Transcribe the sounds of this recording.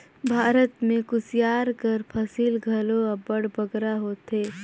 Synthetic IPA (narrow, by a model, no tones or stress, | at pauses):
bʱaːɾət̪mẽkʊsijaːɾkəɾpʰəsiːlɡʱəloabəɽbəɡɾaɦoːt̪ɦeː